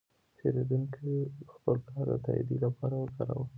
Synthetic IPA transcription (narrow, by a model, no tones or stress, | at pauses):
pʰeɾed̪uŋkixpəlkɑɾd̪ə̰t̪a̰ḭd̪ilapɑɾawəkɑɾa̰wə